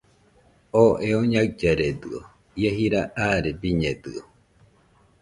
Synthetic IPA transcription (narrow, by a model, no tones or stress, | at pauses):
oʔeoɲad͡ʒaɾed̪ɨo | jeɦiɾaʔaɾebiɲed̪ɨo